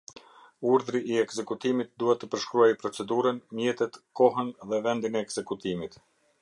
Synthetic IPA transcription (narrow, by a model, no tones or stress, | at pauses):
uɾðɾiʔːɛɡzɛkut̪imit̪̚d̪uhɛt̪ːəpəɾʃkɾuajpɾɔt͡sɛd̪uɾənmjɛt̪ɛt̪kɔɦənðɛvɛnd̪inɛːɡz̥ɛkut̪imit̪